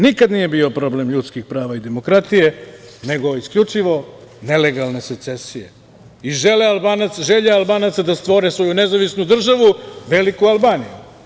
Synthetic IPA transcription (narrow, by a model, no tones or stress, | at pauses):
nikad̪nije̞biopɾo̞ble̞mʎut̪skixpɾaːʋaid̪e̞mo̞kɾat̪ije̞ne̞ɡo̞isklʎut͡ʂiʋo̞ne̞le̞ɡalˠne̞set̪se̞sije̞̰ | iʒelealˠbaːnat̪sʒeʎealˠbaːnat̪sad̪ast̪ʋo̞ɾesʋo̞june̞zaʋisnud̪r̩ʒaʋuʋe̞likualˠbaːnijṵ